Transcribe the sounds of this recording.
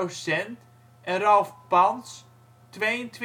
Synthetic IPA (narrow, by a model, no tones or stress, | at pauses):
owsɛnt | ʔɛnrɔlˠfpɑns | tʋejəntʋ